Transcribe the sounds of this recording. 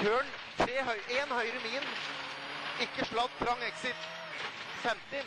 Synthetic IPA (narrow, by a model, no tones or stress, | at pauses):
øːɳ | t̪ʰɾeːhœʏʔeːnhœʏɾəmiːn | ɪkːəʂɭɑd̪p̪ʰɾɑŋɛksɪt̪ | fɛmt̪ɪ